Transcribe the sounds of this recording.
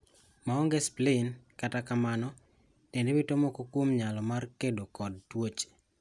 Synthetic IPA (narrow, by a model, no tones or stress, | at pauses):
maɔŋɡesplenkatakamanɔ | tendewitomokokwomɲalɔmarkedokɔd̚twot͡ʃe̥